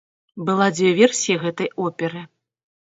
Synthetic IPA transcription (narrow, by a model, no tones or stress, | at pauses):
bɨlˠad͡zʲvʲevʲeɛrsʲijiɣɛt̪ɐjʔɔpʲɛɾɨ